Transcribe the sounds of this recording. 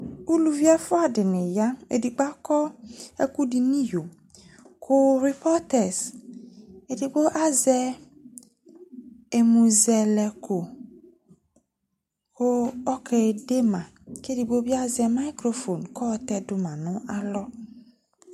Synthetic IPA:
u˦lu˨vi˦a˦fʊ˦a˨dɪ˨nɪ̃˨ja˦ḛ˨di˨ɡ͡ba˦kɔ˦ḛ˦ku˦di˨nĩ˦jo˨ | kʰo˦ɾi˨pɔ˦tɛ˨s | e˨di˨ɡ͡bo˦ʔa˦zɛ˦ | e˨mũ˨zɛ˨lɛ˨ko˨ | ko˦ɔ˦ke˨de˦mã˨ke˦di˨ɡ͡bo˦bi˦a˦zɛ˨ma˦i˦kɾo˨fo˨nkɔ˦˨tɛ˦dʊ˨mã˨nʊ̃˦ʔa˦lɔ˦

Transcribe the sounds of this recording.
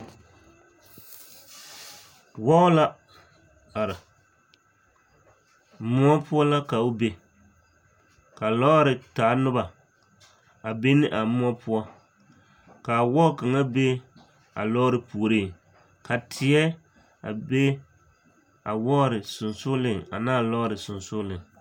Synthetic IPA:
wɔ˦ʊ˦la˦ | a˨ɾɪ˨˦ | mʊ˦ɔ˦pʊ˦ɔ˦la˦ka˨o˦be˦ | ka˨lɔ˦ɾɪ˨taː˨˦nʊ˦ba˨ | a˨be˦nɪ˦ʔa˨˦mʊ˦ɔ˦pʰʊ˦ɔ˦ | ka˨wɔ˦ka˨ŋa˦be˦ | a̰˨lɔ˦ɾɨ˨pu˨o˨ɾi˦˨ | ka˨tʰɪ˨ɛ˦ | a̰˨be˦ | a˨wɔ˦ɾɪ˨sʊ˨nsʊ˦lɪ˦˨ŋa̰˨naː˦lɔ˦ɾɪ˨sʊ˨nsʊ˦lɪ˨ŋ

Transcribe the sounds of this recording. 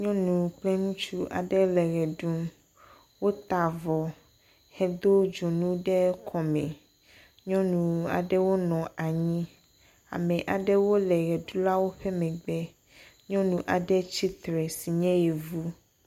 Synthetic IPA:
ɲɔ̃˦nũ˨k͡plɛ˦nũ˦t͡ʃu˦ʔa̰˨ɖɛ˦lɛ˨ɣɛ˨ɖu˦m | wo˦t̪a˨vɔ˨ | hɛ˨d̪o˦d͡ʒo˨nũ˦ɖɛ˦kʰɔ˨mɛ̃˨ | ɲɔ̃˦nũ˨a̰˨ɖɛ˦wo˦nɔ̃˨a˨ɲĩ˦ | a̰˨mɛ̃˨ʔa˨ɖɛ˦wo˦lɛ˨ɣɛ˨ɖu˦la˦wo˦ɸɛ˦mɛ̃˨ɡ͡bɛ˦ | ɲɔ̃˦nũ˨ʔa˨ɖɛ˦t͡ɕi˦t̪ɾɛ˨si˨ɲɛ̃˦jɛ˨vu˦

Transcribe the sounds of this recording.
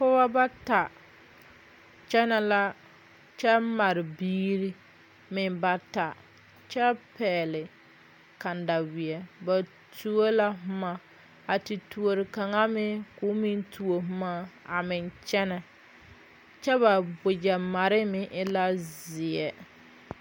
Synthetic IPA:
kʊ˦ba˦ba˦ta˨ | t͡ʃɛ˦nɛ˦la˦ | t͡ʃɛ˦ma˨ɾɪ˨biː˦ɾi˦ | mɪ˨ba˦ta˨ | t͡ʃɛ˦pɛː˨lɪ˨ | ka˨n˨da˨wɪ˨ɛ˨ba˨ | tʰu˦o˦la˦ɦʊ˦ma˨ | a˨ti˨tu˨o˨ɾɪ˨ka˨ŋa˦mɪ˦kʊː˦mɪ˦ntʰu˨o˨ɦʊ˦ma˦a˨mɪ˨nt͡ʃɛ˦nɛ˨ | t͡ʃɛ˦βa˨bʊ˨d͡ʒɛ˨ma˨ɾɪ˦mɪ˦ʔɪ˦la˦zɪ˨ɛ˦

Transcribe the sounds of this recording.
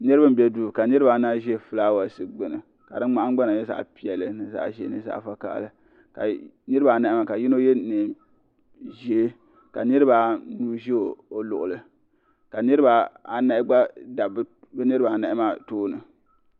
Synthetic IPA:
nɨ˦ɾɨ˦ba˦m˦bʲɛ˦du˨ka˨nɨ˦ɾɨ˦ba˨naː˦ʒfɨ˦laː˦wa˨sɨ˦ɡ͡bɨ˨nɨ˨ | ka˨dɨ˦ŋ͡ma˦ʔa˦ɡ͡ba˦na˨jɛ˦za̰˨ʔpi˦ɛ˨lɨ˨nɨ˨za̰˨ʒɛ˨nɨ˨za̰˦˨fa˦ka̰˦ʔlɨ˨ | ka̰˨ | nɨ˦ɾa˨na˨ʔɪ˦ma˨ka˨ji˦no˦jɛ˦ne˨ | ʒe˦ | ka˨nɨ˦ɾɨ˦ba˨nuː˦ʒe˦o˨o˨lʊ̰˨ʔʊ˨lɨ˨ | ka˨nɨ˦ɾɨ˦ba˨a˨na˦ɪ˦ɡ͡ba˦da˨b | bɨ˦nɨ˦ɾɨ˦ba˨na˨ɪ˦ma˦toː˦nɨ˨

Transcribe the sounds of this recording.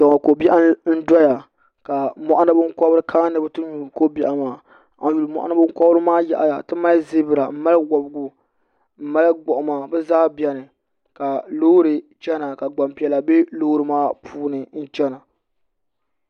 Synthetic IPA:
sa˨ŋa˨ko˨bi˦ʔa˦n̩˦da˦ja˨ | ka˨mɔ˦ʔa˦nɨ˦bɨ˦ŋ˦kɔ˦bɾɨ˦kʰaː˦nɨ˦bɨ˦tɨ˦ɲu˨ko˦bi˦ʔa˨maː˨ | a˨n˦ju˨lmɔ̰˦˨ʔa̰˦nɨ˦bɨ˦ŋ˦kɔ˦bɾɨ˦maː˦jɛ̰˨ʔa̰˨ja̰˨tɨ˦ma˦zi˦bɨ˨ɾa˨m̩˦ma˦lwɔ˨bɡu˨ | m̩˦ma˦lɨ˦ɡ͡bɔ˨ʔʊ˨maː˨bɛ˦zaː˦bɛ˦nɨ˨ | ka˨loː˦ɾɨ˨t͡ʃɛ˦na˨ka˨ɡ͡ba˨mpi˨ɛ˨la˨be˦loː˦ɾɨ˦maː˦pʰuː˦nɨ˨n̩˦t͡ʃɛ˦na˨

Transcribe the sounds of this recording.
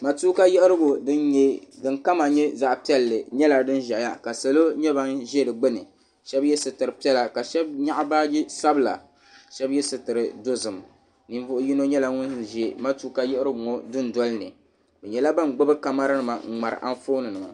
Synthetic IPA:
ma˨tuː˦ka˦jɛ˦ʔɪ˦ɾɨ˦ɡo˨dɨ˦nɲɛ˦dɨ˦ŋka˦ma˨ɲɛ˦za˦˨ʔpi˦ɛ˦lːɨ˨ɲɛ˦la˨dɨ˦n˦ʒa˨ja˦ka˨sa˨lo˦ɲɛ˦ba˦nʒɛ˦dɨ˨ɡ͡bɨ˦nɨ˨ | ʃɛ˦bjɛ˦sɨ˨tɨ˨ɾɨ˨pi˦ɛ˦la˨ka˨ʃɛ˦b̚ɲa˦ʔa˦baː˦ji˦sa˦bɨ˨la̰˨ | ʃɛ˦bjɛ˦sɨ˨tɨ˨ɾɨ˨do˦zɨ˨m˨ | ni˨ɱ˦vʊ˦ʔʊ˦ji˦no˦ɲɛ˦la˦ŋʊ˦nʒɛ˨ma˦tuː˦ka˦jɛ˦ɪ˦ɾɨ˦bʊ˨ŋo˦dɨ˦n˨dɔ˦lɨ˦nɨ˨ | bɛ˨ɲɛ˨la˦ba˦nɡ͡bʊ˦bɨ˦ɾka˨ma˦ɾɨ˦nɨ˨ma̰˨ŋ̩˨ŋ͡ma˨ɾɨ̰˨ʔa̰˦ɱfoː˦nɨ˨nɨ˨a̰˨

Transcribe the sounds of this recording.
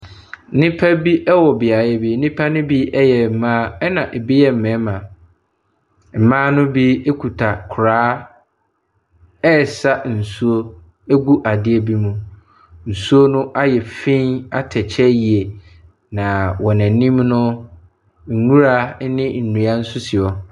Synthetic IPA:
nĩ˦pʰa˦bi˦ʔɛ˦wɔ˨bɪ˨a˨jɛ˦bi˨˦nĩ˦pʰa˦nʊ̃˦bi˦ɛ˦jɛ˨m̩˨mã˦ɛ˦nã˨ʔɛ˨bi˦jɛ˦m̩˨mɛ̃˨˦mã˨ | m̩˨mãː˦nʊ̃˦bi˦kʰu˨tʰa˨kʰʊ˨ɾaː˨˦ | ɛ˦˨sa˦n̩˨su˦o˦ | e˦ɡu˦ʔa˨dɪ˦ɛ˨bi˦mũ˦ | n̩˨su˦o˦nʊ̃˦ʔa˦jɛ˨fĩ˦na˦tʰɛ˨t͡ɕʰɛ˦ji˨e˨ | nã˨wɔ˨næ̃˨nĩ˦mnʊ̃˦ | ŋ̩˨ŋũ˦ɾa˦nɪ̃˦n̩˨nũ˨a˦n̩˦sʊ˦sɪ˨ɔ˨

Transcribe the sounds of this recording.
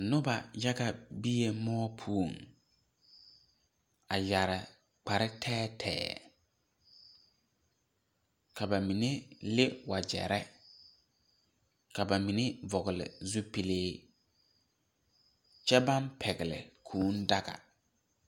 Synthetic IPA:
nʊ˦ba˨ja˦ɡa˨bi˦je˨mɔː˦pʰu˦˨ŋ | a˨ja˨ɾɪ˨ | k͡pa˨ɾɪ˦tʰɛː˦tʰɛ̰ː˦˨ | ka˨ba˨mi˨ne˦lɪ˦wa˨d͡ʒɛ̰˨ɾɛ˦ | ka˨ba˨mi˨ne˦vɔ˨ɣɪ˨lɪ̰˨zu˦pi˨leː˦ | t͡ʃɛ˦ba˦npʰɛ˨ɡɪ˨lɪ̰˨kʰuː˨˦n˦da˦ɡa̰˨

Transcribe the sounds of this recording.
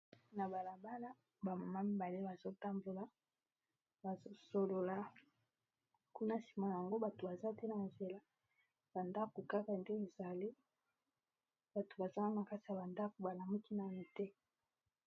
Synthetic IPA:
na˨ba˨la˨ba˦la˦ | ba˨ma˨ma˦mi˨ba˨le˦ba˨zo˦ta˦mbo˨la˦ | ba˨zo˦so˨lo˨la˦ | ku˦na˦si̥˨ma˨a˨ŋɡo˦ba˨to˨ba˨za˦te˦na˨nze˨la˦ | b̥a˨nda˦ko˨ka˦ka˨nde˦e˨za˨le˦ | ba˨to̥˨ba˨za˦a˦ŋa˨ka˦ti˨a˨ba˨nda˦ko˨ba˨la˨mu˦ki˦na˨mi˨tɛ˦

